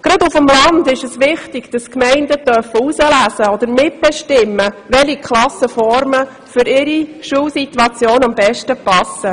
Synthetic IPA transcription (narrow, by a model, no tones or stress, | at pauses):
ɡ̥ɾɑdʊfəmlɑndɪʃəsʋɪχtɪɡ̥d̥ɑskmɛɪndətœrfəusəlæsəɔd̪əɾmɪt̚b̥ɛʃtɪmːəʋɛlikʰlɑsəfɔɾmə | fʏɾɪɾiʃuːlsit̪wɑt͡sjoːnɑmbɛʃtəpɑsə